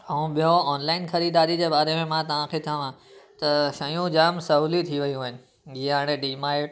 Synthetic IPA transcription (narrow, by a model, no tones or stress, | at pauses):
əũɓijõɔːnlaɪnxʰɐɾid̪aːɾid͡ʑeːbaːɾemẽmãt̪ɐʋ̤ãkʰet̪ʰjəʋãt̪ɐʃɐjũd͡ʑaːmsɐɦulit̪ʰiʋɐjũɦəɪnɪ̆ | ɡiaːɽ̃eɖiːmaːɪʈ